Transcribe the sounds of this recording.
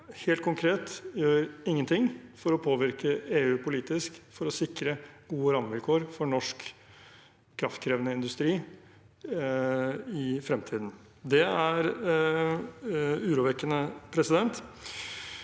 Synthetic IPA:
heːlt̪̚kʰʊŋkʰɾeːt̪jøːɾɪŋːənt̪ʰɪŋfɔɾɔpʰoːʋɪɾkəeːʉːpʰʊliːt̪ɪskfɔɾɔsɪkɾəɡ̥uːəɾɑməʋɪlkʰoːɾfɔɳɔʂk | kʰːɾɑft̪kʰɾeːʋənəɪnd̪ʉst̪ɾiː | ɪfɾɛmt̪ʰiːd̪n̩ | d̪ɛæɾ | ʉːɾuːʋɛkːənəpʰɾɛsɪd̪ɛnt̪

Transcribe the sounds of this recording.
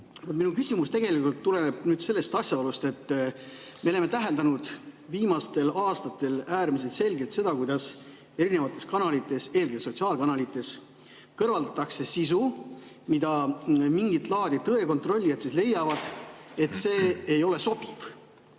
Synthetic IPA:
vot̪minukysimust̪e̞ɡ̥e̞likult̪ːule̞neb̥̚nyːd̪se̞lːe̞st̪ɑsʲjɑolust̪e̞t̪ː | melemet̪æɦeld̪ɑnud̪̥viːmɑst̪e̞lɑːst̪ɑt̪ːˑe̞læːɾmis̬e̞lt̪se̞lɡe̞lt̪se̞d̪ɑkujd̪̥ɑs | e̞ɾine̞vɑt̪ˑːe̞skɑnɑlit̪ːˑe̞se̞lɡeso̞t̪siɑːlkɑnɑlit̪ːˑe̞s | kɤrvɑld̪ɑt̪ːˑɑkse̞sisu | mid̪̥ɑmiŋɡit̪lɑːd̪̥itt̪ɤe̞ko̞nt̪ˑro̞lʲːijɑt̪sisle̞jːɑvɑd̪̥e̞t̪se̞ːjo̞le̞so̞b̥iv̥

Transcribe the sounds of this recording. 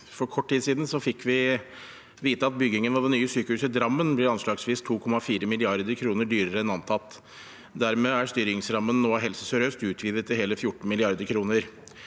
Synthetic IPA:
fɔɾkʰɔʈʰːʈiːd̪siːd̪n̩sɔfɪkʰːʋɪ | ʋiːt̪əɑt̪̚bʏɡɪŋənɑd̪ɛnnyːəsyːkəhʉːsəd̪ɾɑmːənblɪɾɑnʂɭɑːɡsʋiːst̪ʰuːkʰɔmɑfiːɾəmɪlɪɑɾd̪əɾkʰɾuːnəɖyːɾəɾəɛnɑnt̪ʰɑt̪ː | d̪æɾmeːæɾst̪yːɾɪŋsɾɑmːənːoːɦɛlsəsœɾøːst̪ʉːt̪ʰʋiːʋ̪ət̪ʰːɪɦeːləfjʊʈːn̩mɪlɪɑɾd̪əɾkʰɾuːnəɾ

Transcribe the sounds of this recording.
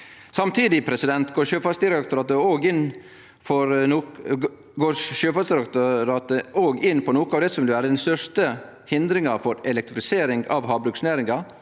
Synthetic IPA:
sɑmt̪ʰiːd̪ɪpʰɾɛsɪd̪ɛnt̪ɡoːʃøːfɑsd̪ɪɾɛkt̪ʊɾɑːt̪əoːɡɪn | fɔɾ | ɡoːʃøːfɑsd̪ɪɾɑkt̪ɾɑːt̪əoːɡɪnpʰɔnoːkəɑːʋd̪ɛsɔmʋɪləʋæːɾəd̪ɛnst̪œʂt̪ə | hɪnd̪ɾɪŋɑfɔɾɛlɛkt̪ɾfɪseːɾɪŋɡɑʋɦɑːbɾʉksnæːɾɪŋɑ

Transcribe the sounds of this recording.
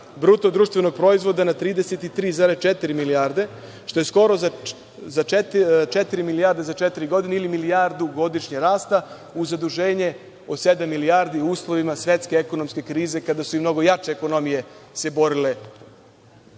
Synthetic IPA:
bɾut̪od̪ɾuːʃt̪ʋe̞no̞ɡ̚pɾo̞izʋo̞d̪anat̪ɾiːd̪eset̪it̪ɾiːzaːɾest͡ʃet̪iɾimilijaɾd̪e̞ | ʃt̪o̞je̞sko̞ɾoza | zat͡ʃet̪t͡ʃet̪iɾimilijaːɾd̪e̞zat͡ʃet̪iɾiɡo̞d̪ineilimilijaɾd̪uɡo̞d̪iʃɲeɾaːst̪a | uzad̪uʒe̞ːɲe̞ | o̞sed̪amːilijaːɾd̪iuːslˠo̞ʋimasʋje̞t̪ske̞eko̞no̞mske̞kɾiːze̞kad̪asuimno̞ɡo̞jat͡ʃe̞ːko̞no̞mije̞se̞bo̞ɾile

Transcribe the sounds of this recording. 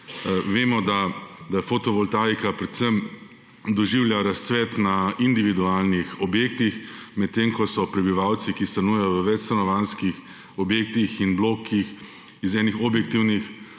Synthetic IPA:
ʋeːmɔd̪ad̪afot̪ɔʋɔlt̪aːjkapɾɛt̪səm | d̪ɔʒiwljaɾast̪sʋɛt̪naind̪iʋid̪uaːlnixɔbjeːk̚t̪ixmɛt̪ːemkɔsɔpɾɛbiʋawt̪sikist̪anujɛjɔʋəʋɛt͡ʃst̪anɔʋanskix | ɔbjeːk̚t̪ixinbloːkix | izɛːnixɔbjɛk̚t̪iwnix

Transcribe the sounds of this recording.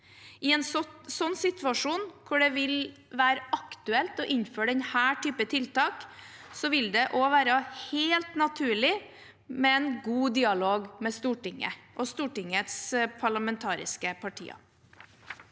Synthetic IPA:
ɪɛnsɔsɔnːsɪt̪ʰʋɑʂuːnkʰʊɖɛʋɪl | ʋæːɾəʔɑkt̪ʉɛlt̪ɔʔɪnføːɖɛnhæːʈʰyːpət̪ʰɪlt̪ɑːksɔʋɪld̪ɛʔoːʋæːɾəheːlt̪nɑt̪ʰʉːɭɪ | mɛɛnɡuːd̪iːɑloːɡmɛst̪uːʈɪŋːə̰ʔɔst̪uːʈɪŋət̪spʰɑɭɑmɛnt̪ʰɑːɾɪ̰skəpʰɑʈʰḭːɑ̰

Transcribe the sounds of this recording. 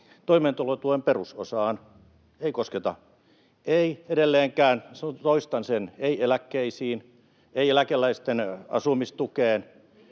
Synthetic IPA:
t̪oiment̪ulot̪uemperuso̰sɑːn | eikosket̪ɑ̰ | eiedelːeːŋkæːnst̪oist̪ɑnseneielækːeisiːn | eielækelːˑæist̪enɑ̰sumist̪ukeːn

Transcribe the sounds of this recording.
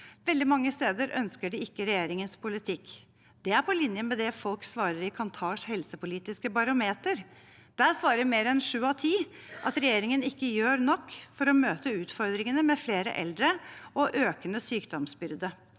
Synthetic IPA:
ʋɛld̪ɪmɑŋːəst̪eːd̪əɾʔœ̰nskəɖɪɪkːəɾɛjeːɾɪŋənspʰʊlɪt̪ʰɪkː | d̪̥ɛæɾpʰɔlɪnjəmɛd̪ɛfɔlksʋɑːɾəɾɪkʰɑnt̪ʰɑːʂhɛlsəpʊliːt̪ɪskəbɑɾʊmeːt̪əɾ | d̪̥æːɾsʋɑːɾəmeːɾɛnʂʉːɑt̪ʰiːʔɑt̪ɾɛjeːɾɪŋənɪkːəjøːɾnɔkːfɔɾɔmøːt̪əʉːt̪fɔɾd̪ɾɪŋənəmɛfleːɾə̰ʔɛ̰ld̪ɾəʔɔʔøːkənəsyːkd̪ɔmsbʏɾd̪ə

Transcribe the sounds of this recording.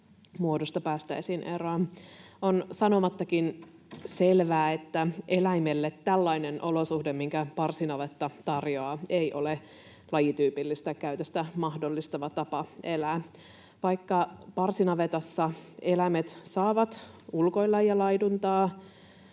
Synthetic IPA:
muodust̪ɑpæːst̪æ̰isinʔeroɑ | onsɑno̞mɑt̪ːɑkin | selʋæːet̪ːæelæimelːet̪ːælːɑinenʔo̞losuhdemmiŋkæpɑrsinɑʋet̪ːɑt̪ɑrjoɑːeiʔo̞le | lɑjit̪yːpilːist̪ækæyt̪øst̪æmɑhdolːist̪ɑʋɑt̪ɑpɑelæː | ʋɑikːɑpɑrsinɑʋet̪ɑsːɑelæmet̪sɑːʋɑt̪ulko̞ilːɑjjɑlɑidunt̪ɑː

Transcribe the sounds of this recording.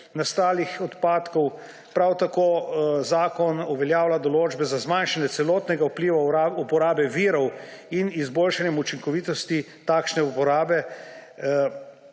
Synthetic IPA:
nast̪aːlixɔt̪paːt̪kɔw | pɾawt̪akoːzaːkɔnɔʋɛljaːwlad̪ɔloːd͡ʒbɛzazmanʃanjɛsɛlɔːt̪nɛɡaupliːʋaaupɔɾaːbɛʋiɾɔwinizboːlʃanjɛmut͡ʃiŋkɔʋiːt̪ɔst̪i | t̪aːkʃnɛupɔɾaːbɛ

